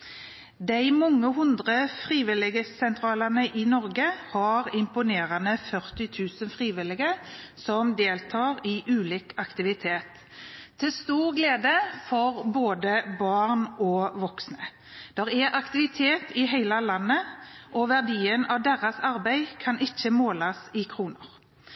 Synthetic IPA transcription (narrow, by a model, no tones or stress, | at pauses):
d̪æɪmɔŋːəɦʉnd̪ʁəfʁiːʋɪlɪɡəsɛnt̪ʰɾɑːlənəʔɪnɔɾɡəhɑʁɪmpʊneːʁɑnəfœʁt̪ɪt̪ʰʉːsənfʁiːʋɪlɪɡəsɔmd̪eːlt̪ʰɑːʁɪʔʉːliːkɑkt̪ɪʋɪt̪ʰeːt̪ʰː | ɪlst̪uːʁɡleːd̪əfɔʁboːd̪əbɑʁnɔʋɔksnə | d̪̥ɛʁɛʔɑkt̪ɪʋɪt̪ʰeːt̪ʰɪɦæɪlɑlɑnːəʔɔʋæʁd̪iːənɑʋd̪eːʁɑsɑɾbæɪkʰɑnʔɪçːəmoːlɑsɪkʰʁuːnəʁ